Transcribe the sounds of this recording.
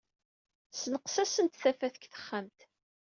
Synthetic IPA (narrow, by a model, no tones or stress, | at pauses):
snəqsæsənt̪θæfæθəkθə̥χːamt̪